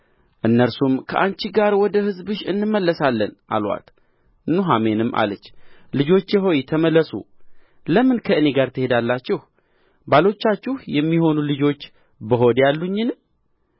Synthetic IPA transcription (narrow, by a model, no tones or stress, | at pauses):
ʔɨnːəɾsumkʰəʔant͡ʃiɡaɾwɔd̪əhɨzbɨʃɨnːɨmːəlːəsalːənʔa̰lwa̰t̪ | ɨnːuɦame̞nɨmːʔa̰lət͡ʃːlɨd͡ʒo̞t͡ʃːjɛɦo̞jt̪ʰəməlːəsṵ | ləmɨnkʰəɨne̞ɡaɾt̪ʰɨhe̞d̪alːat͡ʃːɪh | balo̞t͡ʃːat͡ʃːɪhjɛmːiho̞nulɨd͡ʒo̞t͡ʃː | bəɦo̞d̪jalːuɲːɪn